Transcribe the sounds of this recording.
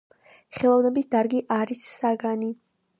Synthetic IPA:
χɛlˠɔvnɛbisd̪aɾɡiʔaɾisːaɡani

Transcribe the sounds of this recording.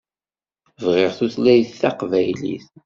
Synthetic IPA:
vʁɪʁθuθlæjθːɑqvæjlḭθ

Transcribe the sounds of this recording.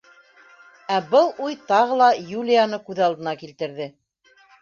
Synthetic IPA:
æbɤlˠujt̪ɑʁɤ̆lˠɑjulʲɪjanɤkʉðɑlˠd̪ɤ̆nɑkilt̪ɘ̆ɾðɘ

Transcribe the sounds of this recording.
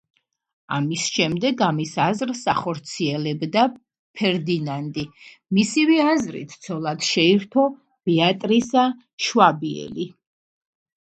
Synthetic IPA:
amisʃɛmd̪ɛɡamisazɾsaχɔɾt̪sʰiɛlɛbd̪a | pʰɛɾd̪inant̪ʼi | misiviazɾḭt̪ʰt̪sʰɔlˠad̪ʃɛiɾt̪ʰɔ | b̥iat̪ʼɾisa | ʃwabiɛ̰li

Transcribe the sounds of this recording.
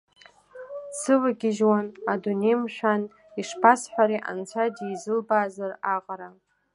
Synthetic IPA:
sʰɨvaɡʲɪʒwanadunejmʃʷᶣan | iʂpʰasħʷᶣaɾiʔa̰nt͡sʷʰadiːzɨlbaːzaraqʼaɾa

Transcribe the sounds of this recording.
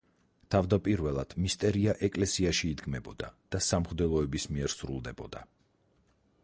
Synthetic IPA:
t̪ʰavd̪apʼiɾvɛlˠad̪̥mist̪ʼɛɾiaʔɛkʼlɛsiaʃiːd̪ɡmɛbɔd̪ad̪̥asamχd̪ɛlˠɔɛbismiɛɾsɾṵlˠd̪ɛbɔ̰d̪̥a

